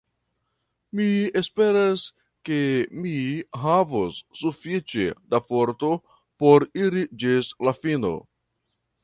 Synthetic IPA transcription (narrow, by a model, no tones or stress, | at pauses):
mie̞spe̞ɾas | ke̞miɦavosːufit͡ʃe̞̰dafoɾto̞ | poɾiɾid͡ʒislafino̞̰